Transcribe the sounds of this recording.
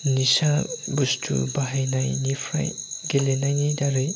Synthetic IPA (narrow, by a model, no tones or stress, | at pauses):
nisabustʰṵbaɦajnajnifʰɾa̰jɡelenajnidaɾɯj